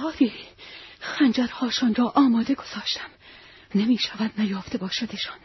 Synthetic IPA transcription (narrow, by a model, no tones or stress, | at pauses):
ɒːɾiː | xænd͡ʒæɾhɒːʃɒnrɒːʔɒːmɒːd̪e̞ɡo̞z̥ɒːʃt̪ʰæm | nemiːʃævæd̪næjɒːft̪e̞bɒːʃæd̪eʃɑn